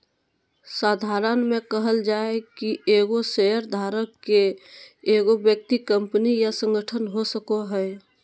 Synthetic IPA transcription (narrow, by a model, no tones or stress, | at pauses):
saːd̪ʱaːɾənmẽkəɦəld͡ʒaːekieːɡoseɦəɾd̪ʱaːɾəkːeeːɡobjək̚t̪ikə̃mpnijasə̃ŋɡəʈʰənɦosəkoɦɛ